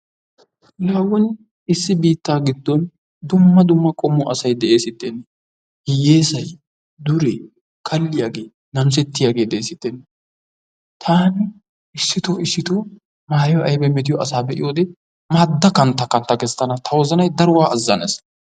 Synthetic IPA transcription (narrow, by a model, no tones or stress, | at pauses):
laːwɔn | ɪsːɪbiːt̪ːaːɡɪd̪ːɔn | d̪ʊmːɐd̪ʊmːɐkʼɔmːɔʔɐsɐjd̪ɛʔe̞ːsɪt̪ːenːɛ | hɪjeːsɐj | d̪ʊɾɛ | kʰɐlːɪjaːɡe̞ː | nɐms̬ɛt̪ːɪjaːɡe̞ːd̪ɛʔeːsɪt̪ːɛnːɛ | t̪ʰaːnɪ | ɪsːɪt̪oɪsːɪt̪oː | maːjɔʔɐjbɛmɛt̪̬ɪjɔɐsaːbɛʔɪjoːd̪ɛ | maːd̪ːɐkɐnt̪ːɐkɐnt̪ːɐkɛst̪ːɐnɐt̪ʰɐwɔzɐnɐjd̪ɐɾʊwaːʔɐzːɐnes